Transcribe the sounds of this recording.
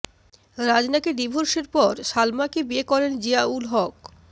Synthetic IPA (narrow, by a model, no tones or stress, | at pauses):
ɾad͡ʑnakeɖibʱoɾʃeɾpɔɾʃalmakebiekɔɾend͡ʑiaulɦɔk